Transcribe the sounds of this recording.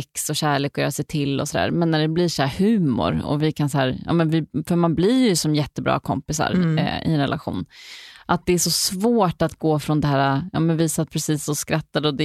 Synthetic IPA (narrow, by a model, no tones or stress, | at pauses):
ɛksɔɕæːɭeːkɔjœːɾasɛjt̪ʰɪlːɔ̰sɔd̪æ̰ːɾmɛnːæɖɛblɪʂæːhʉ̟ːmʊ̰ɾɔ̰vɪkʰansaæːɾjɑ̰ːmɛnvɪfœɾmanblɪɾjɵsɔmjɛt̪ːəbɾɑ̰ːkʰɔ̰mpɪsa̰ɾɪ̰ɛnɾɛ̰la̰ɧṵːnʔat̪̚d̪ɛæʂɔsvoːʈat̪ɡoːfɾɔnd̪ɛɦæːɾajɑ̰ːmɛnviːsapʰɾɛsiːsːɔskɾat̪ːad̪əɔd̪ɛ